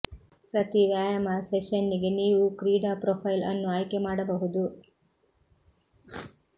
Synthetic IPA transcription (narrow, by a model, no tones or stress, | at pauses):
pɾɐt̪iʋjaːjɐmɐseʃɐnːiɡeniːʋukɾiːɖaːpɾoːpʰɐjlɐ̰nːuaːjkemaːɽɐbɐɦud̪u